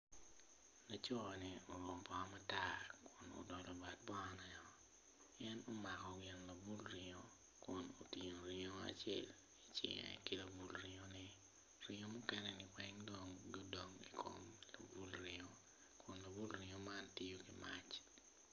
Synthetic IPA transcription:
na˨t͡ʃɔ˦˨ni˨o˨lwo˨mpɔ˦ma˦ta˦kʰʊ˨no̰dɔ˨lɔ˨ba˨t̚bɔ˦ɔnɛ˨ɔ˦ | jɛ˦no˦ma˨kɔ˨ɡɪ˨nla˨bu˦lɾɪ˨ŋo˨ | kʊ˨no˨ti˨ɲo˨ɾɪ˦ŋo˦a̰˨t͡ʃɪɛ̰˦˨l | i˦t͡ʃɪ̰˨ŋɛ̰˨ki˦la˨bu˨lɾɪŋo˦ni˦ | ɾɪ˦ŋo˦mʊ˦kɛ˦nɛ˦nɪ˨wɛ˦ŋdo˦ŋɡo˦do˦ŋi˨kʰo̰mla̰˨bu˦lɾɪ˨ŋo | kʰʊ˨nla˨bu˦lɾɪ˨ŋo˨ma˦nti˦jo˦ɡi˨ma̰˦t͡ʃ

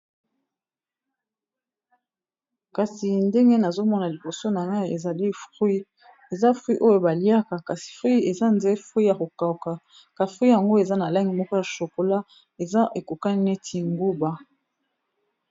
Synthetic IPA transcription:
ka˨si˨nde˦ŋɡe˦na˨zo˦mɔ˦na˨li˨bo˨so˦na˨ŋɡa˦i˨e˨za˨li˦fʁwi˦ | e˨za˦fʁwi˦ʔo˦jo˦ba˨li˦a˦ka˨ka˨si̥˨fʁi˦e˨za˦nde˦fʁi˦ja˨ko˨ka˨ka˨ | ka˨fʁi˦ja˨ŋɡo˦e˨za˦na˨la˦ŋɡi˨mɔ˦ko˦ja˨ʃo˨ko˨la˦ | e˨za˦ʔe˨ko˨ka˦ne˦tʰi˦ŋɡu˦ba˦

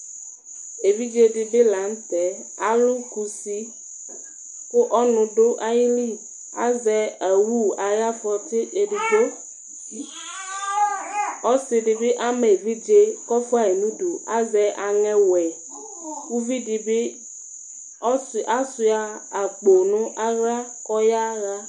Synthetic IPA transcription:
e˨vi˦d͡ʒe˦ɖi˨be˦la˨˦ŋ̩˦t̪ɛ˨˦ | a˨lu˦ku˨si˦ | kʊ˦ʔɔ˦nʊ̃˨ɖo˦ʔa˦ji˦li˦ | a̰˦zɛ˨a˨wu˦a˨ja˦fɔ˨t̪ɪ˦e˨ɖi˨do˦ | ɔ˦si˨ɖi˨bi˦ʔa˦me˨vi˦d͡ʒe˦kɔ˦fa˨e˨nũ˦du˨a̰˦zɛ˨ʔa˨ŋɛ̃˦wɛ˨ | ku˦vi˦di˧bi˦ | ɔ˦sa˦su˨a˨a˨k͡po˨nũ˦ʔa˦ɣa˦kɔ˦ja˦ɣa˦

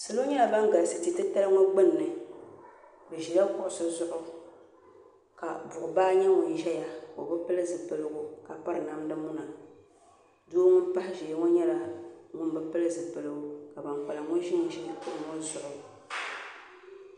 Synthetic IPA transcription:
sɨ˨lo˦ɲɛ˦la˨ba˦ŋ˦ɡa˨lsɨ˨ti˨tɨ˦ta˦lŋɔ˦ɡ͡bɨ˦˨nːɨ˨ | bɨ˨ʒi˨da˦kʊ˦ʔʊ˨sʊ˦zʊ˦ʔʊ˦ | ka˨bʊ˨ʔʊ˨baː˦ɲɛ˦ŋʊ˨n˦ʒɛ˦ja˨ko˨bɨ˦pɨ˦lɨ˦zɨ˨pɨ˨lɨ˦ɡʊ˦ka˨pa˦ɾɨ˨na˨m˦dɨ˦mu˦na˨ | doː˦ŋʊ˦npa˦hɪ˦ʒe˨˦ŋɔ˦ɲɛ˦la˨ŋʊ˦nbɨ˦pɨ˦lɨ˦zɨ˨pɨ˨lɨ˦ɡʊ˨˦ka˨ba˨ŋk͡pa˨la˨ŋʊ˦n˦ʒi˦n˨ʒi˨˦kʊ˦ʔʊ˨ŋɔ˦zʊ˦ʔʊ˨

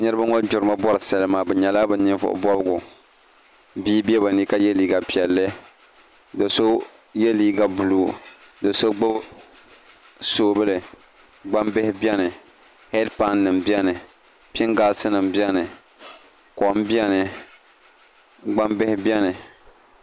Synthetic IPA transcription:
ɲɛ˦ɾɨ˦ba˦ŋo˦d͡ʒʊ˨ɾɨ˨ma˦bɔ˦ɾɨ˨sa˨lɨ˦maː˨bɛ˨ɲɛ˨la˦bɨ˨˦nɪ˦ɱvʊ̰˨ʔʊ̰˨˦bɔ˦bɨ˦ɡʊ˨ | biː˦bi˦ɛ˦ba˨ni˦ka˦jɛ˦liː˦ɡa˨pi˨ɛ˨lːɨ˦ | dɨ˨so˦ | jɛ˦liː˦ɡa˨bu˨luː˦ | dɨ˨so˦ɡ͡bɨ˦b | soː˨bɨ˦lɨ˨ | ɡ͡ba˦mbɪ˦hɪ˦bi˦ɛ˦nɨ˨ | hɛ˦dpa˦nːɨ˨mbi˦ɛ˦nɨ˨ | pɪ˦ŋɡaː˦˨sɨ˦nɨ˨mbi˦ɛ˦nɨ˨ | kɔ˨mbi˦ɛ˦nɨ˨ | ɡ͡ba˦mbɪ˦hɪ˦bi˦ɛ˦nɨ˨

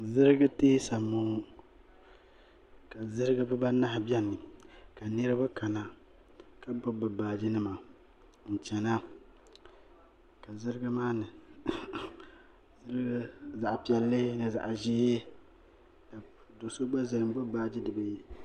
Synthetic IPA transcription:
zɨ˦ɾɨ˦ɡa˦teː˦sa˨mo˨˦ | ka˨zɨ˦ɾɨ˦ɡa˦bɨ˦ba˦na˦hbjɛ˦nːɨ˨ka˨nɨ˦ɾɨ˦ba˦ka˨na˦ | ka˦bʊ˦bɨ˨baː˨d͡ʒi˦nɨ˦ma˨ | n̩˨t͡ʃɛ˨na˦ | ka˨zɨ˦ɾɨ˦ɡa˦maː˦nɨ˨ | zɨ˦ɾɨ˦ɡa˦za˨ʔpi˨ɛ˨lːɨ˦nɨ˨za̰˨ʔʒeː˦ | ka˨do˨so˦ɡ͡ba˦zɨ˨ɾɨ˨m˦ɡ͡bʊ˦baː˦d͡ʒi˦dɨ˨ba˨ji˦

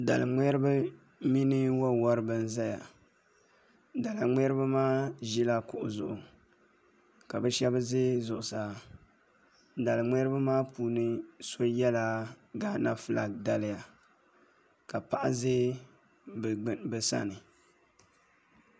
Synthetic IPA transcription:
da̰˨lɨ˨ŋ͡mɛ˦ɾɨ˦bɨ˦ | mi˦nɨ˦wɔ˦wɔ˦ɾɨ˨bɨ˦n˦za˦ja̰˨ | da˨la˨ŋ͡mɛ˦ɾɨ˦ba˦maː˦ʒi˦la˦kʊ˨ʔʊ˨zʊ̰˨ʔʊ˨ | ka˨bɨ˦ʃɛ˦bɨ˦ze˦zʊ˨ʔʊ˨sa˨ | da˨lɨ˨ŋ͡mɛ˦ɾɨ˦ba˦maː˦puː˨nɨ˦so˦jɛ˦la˦ | ɡa˦na˦fɨ˦la˨k̚da˨lɪ˦˨ja˨ | ka˨pa˨ʔa˦ze˦ | bɨ˨ɡ͡bbɨ˨sa̰˦nɨ˨

